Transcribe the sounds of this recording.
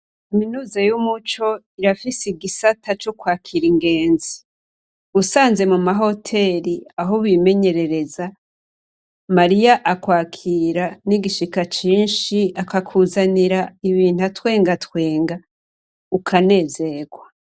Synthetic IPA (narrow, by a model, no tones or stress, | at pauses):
kaminuːzajumut͡ʃo̞ | iɾafisiɡisatʰat͡ʃokwaːkʰiɾiŋɡe̞ːnzi | usaːnze̞mumaɦo̞tʰe̞ɾiaɦoβime̞ɲe̞ɾe̞ɾe̞za | maɾijaʔakwaːkʰiːɾaniɡiʃikat͡ʃiːnʃiakakʰuzaniɾaiβiːn̥uatwe̞ːŋɡatwe̞ːŋɡa | ukʰane̞ːze̞ɡwa